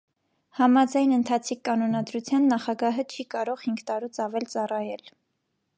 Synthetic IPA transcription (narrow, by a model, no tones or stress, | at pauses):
hɑmɑd͡zɑjnənt̪ʰɑt͡sʰikːɑnɔnɑd̪ɾut͡sʰjɑnːɑχɑɡɑɦət͡ʃʰikɑɾɔʁhiŋɡt̪ɑɾut͡sɑvɛlt͡sɑrɑjɛl